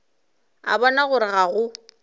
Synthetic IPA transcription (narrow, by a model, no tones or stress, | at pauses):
a̰bɔnaɣʊɾɪɣaɣʊ